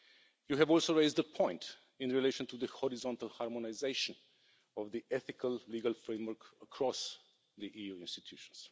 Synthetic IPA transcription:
juɦɛvɔlˠsoʊɹeɪzdəpʰɔ̃ɪ̃nt | ɪ̃nɹileɪʃə̃ntuðəhɔɹɪzɔ̃ntəlˠhaɹmɔnaɪzeɪʃə̃n | ɔvðiʔɛθɪkʰəlˠliɡəlfɹẽmwə˞kəkʰɹɔs | ðiʔijuɪ̃nstitʰjuʃə̥̃ns

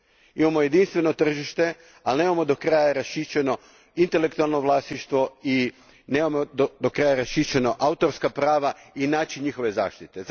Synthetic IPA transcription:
imamo̞je̞d̪inst̪ʋe̞no̞t̪r̩ʒiʃt̪e̞ | alnemamo̞d̪okɾaːjaɾaʃit͡ʃeno̞ | int̪elekt̪ualˠno̞ʋlˠaːst̪iʃt̪ʋo̞i | nemamod̪d̪okɾaːjaɾaʃit͡ʃeno̞ʔaut̪o̞ɾskapɾaːʋainaːt͡ʃiɲixo̞ʋe̞za̰ːʃt̪it̪e̞z

